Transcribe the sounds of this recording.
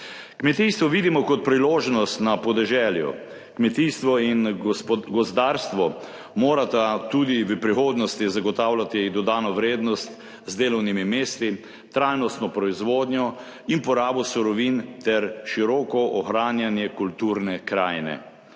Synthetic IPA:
kmɛt̪iːst̪ʋɔʋid̪imɔkɔt̪̚pɾiloːʒnɔst̪napɔd̪ɛʒɛːljṵ | kmɛt̪ist̪ʋɔinɡɔzd̪aːɾst̪ʋɔ | moːɾat̪at̪ud̪iʋəpɾixoːd̪nɔst̪izaɡɔt̪awlat̪id̪ɔd̪aːnɔʋɾeːd̪nɔst̪ | zd̪eːlɔwnimimeːst̪i | t̪ɾajnɔst̪nɔpɾɔizʋoːd̪ɲjɔ | inpɔɾaːbɔsuɾɔʋint̪ɛɾʃiɾɔːkɔʔɔxɾaːnjanjɛkult̪uɾnɛkɾaːjnɛ̰

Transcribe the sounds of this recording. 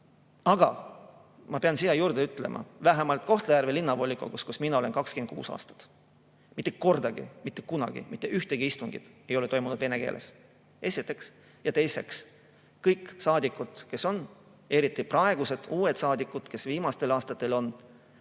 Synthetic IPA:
ɑɡ̥ɑ | mɑpeɑnsij̪ɑjuːɾd̪̥eyt̪ːˑle̞̰mʔɑ̰væɦemɑlt̪̚ˑko̞ht̪lejærvelinːɑvo̞lʲːikˑo̰kuskusminɑo̞lenkɑksken̥̚kṵːsɑ̰ːst̪ɑ̥t̪ˑ | mit̪ːˑeko̞rd̪ɑɡ̥ḭmit̪ːˑekunɑ̰ɡ̥ḭmit̪ːˑeʔyht̪eɡ̥iist̪uŋɡ̥ḭd̪̥e̞jo̞let̪o̞jmunud̪ve̞ne̞kḛːlʔe̞̰s | e̞sit̪ːˑe̞ks | jɑt̪e̞jse̞ks | kɤjkːˑsɑːd̪ikːˑud̪̥ke̞so̞n | e̞ɾit̪ːˑiprɑe̞ɡ̥use̞d̪̥uːet̪sɑːd̪ikːˑud̪̥ke̞sviːmɑst̪e̞lɑːst̪ɑt̪ːˑe̞lo̞n

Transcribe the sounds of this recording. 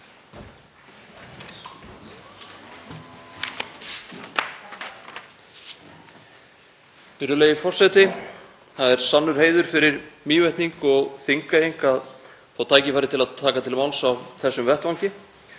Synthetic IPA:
ɪɾʏlejɪfɔr̥sɛjt̪ɪ | θaðɛɾ̥sanːʏɾ̥heːjðʏɾ̥fɪɾɪɾmiːvɛjht̪niŋkɔɣθiŋkaejŋkað | θawt̪ʰaːjcɪfaːɾɪt̪ʰɪlaðt̪ʰaːkat̪ʰɪlmawlsawvθɛsːʏmvɛht̪vawcɪ

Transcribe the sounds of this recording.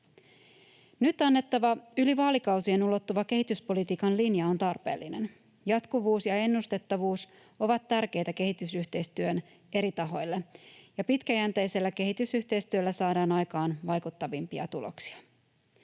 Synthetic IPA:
nyt̪ɑnːe̞t̪ːɑʋɑyliʋɑːlikɑwsienulo̞t̪ːuʋɑke̞ɦit̪yspo̞lit̪iːkɑnlinjɑo̞nt̪ɑrpe̞̰ːlːine̞̰n | jɑt̪kuʋuːsjɑe̞nːust̪e̞t̪ːɑʋuːs | o̞ʋɑt̪ːærk̟e̞jt̪æke̞ɦit̪ysyçt̪e̞jst̪yøn | e̞ɾit̪ɑɦo̞jlːejɑpit̪kæjænt̪ejse̞lːæke̞ɦit̪ysyht̪e̞jst̪yølːæsɑːdɑːnɑjkɑːnʋɑjkut̪ːɑʋimpiɑ̰t̪ulo̰ksi̥ɑ

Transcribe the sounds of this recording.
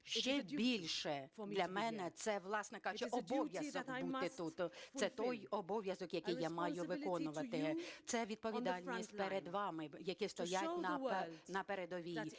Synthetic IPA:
ʃt͡ʃɛbʲilʲʃɛd̪lʲɐmɛnɛt̪sɛʋlˠɑsnɛkɑʒʊt͡ʃɪɔbɔʋʲjɐzɔkut̪ɪt̪ut̪sɛt̪ɔjɔbɔʋʲjɐzɔkjɐkɪjːamɑjʊʋɪkɔnʊʋɐt̪ɪt̪sɛʋʲid̪̚pɔʋʲid̪ɑlʲnʲisʲtʲpeɾed̪ʋɑmɪjɐkɪst̪ɔjatʲnɐnɐpeɾed̪ɔʋʲij

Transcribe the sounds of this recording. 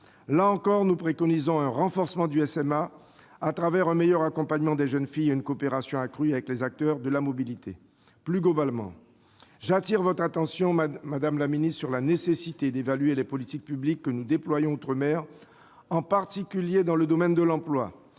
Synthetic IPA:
laɑ̃kɔʁnupχekɔnizɔ̃ɛ̃ʁɑ̃fɔʁsəmɑ̃d̪yɛsɛma | at̪χavɛʁɛ̃mejœʁakɔ̃paɲmɑ̃d̪eʒənfijeynkoːpeʁasjɔ̃akχyavɛklezak̚t̪œʁd̪əlamɔbilit̪ʰe | plyɡlɔbalmɑ̰̃ | ʒat̪iʁvɔt̪χat̪ɑ̃sjɔ̃mad̪amlaminisyʁlanesesit̪ed̪evalɥelɛpɔlit̪ik̚pyblikːənud̪eplwajɔ̃ot̪χəmɛʁ | ɑ̃paʁt̪ikʲyljed̪ɑ̃ləd̪ɔmɛnd̪əlɑ̃plwa̰

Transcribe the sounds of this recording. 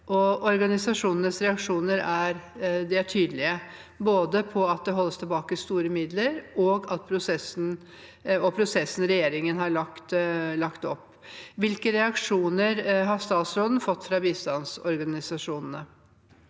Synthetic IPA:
ʔɔɔɾɡɑnɪsɑʂuːnənəsɾɛɑkʂuːnəɾæɾd̪ɛæʈʰyːd̪lɪə | boːd̪əpʰɔɑt̪̚d̪ɛɦɔlːəst̪ʰɛlbɑːkəst̪uːɾəmɪd̪ləɾɔɡɑt̪̚pʰɾʊsɛsn̩ | ɔpʰɾʊsɛsːn̩ɾɛjeːɾɪŋənɦɑɭɑkt̪lɑkt̪ɔpː | ʋɪlkəɾɛɑkʂuːnəɾɦɑst̪ɑːt̪sɾoːd̪n̩fɔt̪ːfɾɑbiːst̪ɑnsɔɾɡɑnɪsɑʂuːnn̩ə

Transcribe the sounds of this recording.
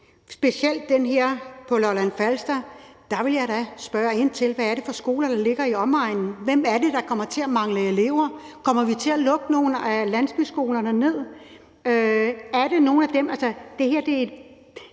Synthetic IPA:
sb̥e̝siel̰d̥̚ːenɦeɐ̰pʰɒ̽lɒlænfælsd̥ɐd̥ɑ̈ʋe̝ljɑ̈ɪdæsb̥ɶːɐe̝n̰t͡sʰe̝lʋæːɐɾe̝fɒ̽sɡ̥o̝̰ːlɐn̥ɑ̈le̝ɡ̥ɐiɒ̽mɑ̈ɪ̰nn̩ʋemæɐde̝d̥ɑ̈kʰɒ̽mɐt͡sʰe̝æmɑ̈ŋləe̝le̝̰ʊ̰ɐ | kʰɒ̽m̰ɐʋit͡sʰe̝ælɔ̽ɡ̥əno̝ːn̩ælæn̰sb̥ysɡ̥o̝ːlɐnəne̝ð̰ˠ | øæɐɾe̝no̝ːn̩æd̥emælsəd̥e̝heɐd̥e̝

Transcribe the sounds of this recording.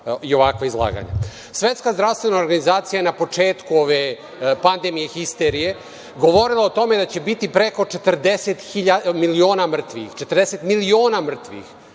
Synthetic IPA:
io̞ʋakʋaizlˠa̰ːɡa̰ɲa̰ | sʋe̞t̪skazd̪ɾaʋst̪ʋe̞naoɾɡanizaːt̪sijaenapo̞t͡ʂeːt̪kuo̞ʋe | pand̪emije̞xist̪eɾije̞ | ɡo̞ʋo̞ɾilˠaot̪o̞me̞d̪at͡ɕe̞bit̪ipɾeko̞t͡ʂet̪rd̪eset̪xiʎamilio̞ːnamr̩t̪ʋḭxt͡ʃet̪rd̪eset̪milio̞ːnamr̩t̪ʋḭx

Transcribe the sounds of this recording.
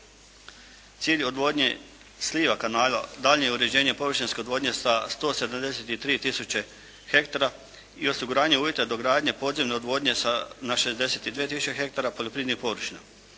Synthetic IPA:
t̪siːʎo̞d̪ʋo̞ːd̪ɲḛ | slʲiːʋakanaːla̰d̪aʎɲejuɾe̞d͡ʑe̞ːɲepo̞ʋɾ̩ʃinskʲe̞od̪ʋo̞ːd̪ɲe̞sast̪o̞ːse̞d̪amd̪e̞set̪it̪ɾiːt̪isut͡ɕe̞ | xe̞kt̪aɾa | io̞siɡuɾaːɲeuːje̞t̪ad̪o̞ɡɾaːd̪ɲe̞po̞ːd̪zemneod̪ʋo̞d̪ɲesanaʃe̞zd̪e̞set̪id̪ʋiet̪isu̥t͡ʃexe̞kt̪aɾapoʎo̞pɾiːd̪nixpo̞ʋɾ̩ʃina̰

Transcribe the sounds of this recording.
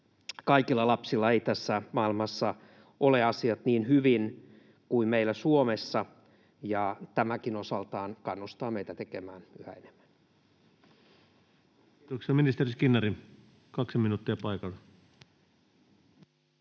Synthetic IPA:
kɑikilːɑlɑpsilːɑeit̪æsːæmɑːilmɑsːɑ | ʔoleɑsiɑt̪niːnhyʋin | kuimmeilːæsuomesːɑ | jɑt̪æmækinosɑlt̪ɑːnkɑnːust̪ɑːmeit̪æt̪ekemæːnyhæ̰enem̥ːæn | t̪oksiɑminist̪eriskinːɑri | kɑksiminuːt̪ːiɑpɑikɑlːe

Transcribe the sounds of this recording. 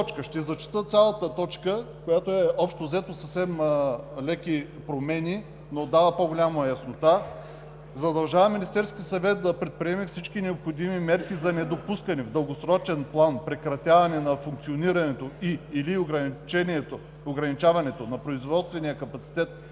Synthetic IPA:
t͡ʃkəʃt̪ɛzɐt͡ʃi̥t̪ət̪sʲjalˠɐt̪ət̪ɔt͡ʃkəkojat̪oɛʔɔpʃt̪ozɛt̪osəfsɛmlɛki | pɾomɛni | nod̪avɐpoɡolʲamɐjɐsnot̪a | zɐd̪ɐlˠʒavɐminist̪ɛɾskʲiəsɐvɛt̪̚d̪ɐpɾɛt̪̚pɾiɛmifsit͡ʃkinɛopxod̪imimɛɾkizɐnɛd̪opuskənɛvd̪əlˠɡosɾɔt͡ʃɛnplˠanpɾɛkɾɐt̪ʲavɐnɛnɐfuŋk̚tsioniɾɐnɛt̪oiiliɡɾt͡ʃɛniɛt̪o | oɡɾɐnit͡ʃavɐnɛt̪onɐpɾoizvɔt̪st̪vɛnijəkɐpɐt̪si̥t̪ɛt̪̚

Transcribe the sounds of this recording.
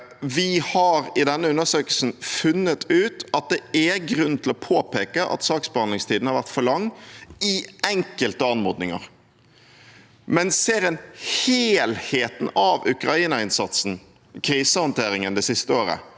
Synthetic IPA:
ʋɪhɑɾɪd̪ɛnːəʉnːəsøːkəlsn̩fʉnːət̪ʰʉːt̪ɑt̪̚d̪ɛæɡɾʉn̩t̪ʰɪlɔpʰoːpeːkəʔɑ̰t̪sɑːksbɑnlɪŋst̪ʰiːd̪n̩hɑɾʋæɾt̪fɔlɑŋːɪɛŋkəlt̪əɑnmɔʁd̪nɪŋə̰ʁ | mɛnseːɾɛnheːlheːt̪n̩ɑʋʉkɾɑiːnɑɪnsɑt̪sn̩ | kʰɾiːsəhɔnt̪ʰeːɾɪŋənd̪ɛsɪst̪əoːɾə̰

